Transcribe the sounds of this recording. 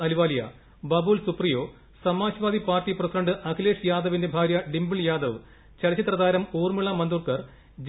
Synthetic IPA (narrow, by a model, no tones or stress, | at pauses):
ɐliʋaːlijɐ̰ | bɐbuːlsuprijo̞ː | sɐmaːɕɐʋaːd̪ʱipaːrtːiprɐsiɖɐɳɖɨʔɐkileːʂjaːd̪ɐʋinde̞bʱaːɾjɐɖimbiɭjaːd̪ɐʋ | t͡ɕɐɽɐt͡ɕːit̪rɐd̪aːɾɐmuːrmiɭɐmɐnd̪uːkɐr | d͡ʑ